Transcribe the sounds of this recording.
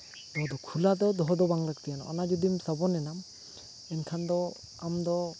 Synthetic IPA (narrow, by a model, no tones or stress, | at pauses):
d̪ɔɦɔd̪ɔkʰulad̪ɔd̪ɔɦɔd̪ɔbaŋlaɡt̪ijanɔ̰ʔa̰nad͡ʒɔd̪imsabɔnɛnam | ɛnkʰand̪ɔ | amd̪ɔ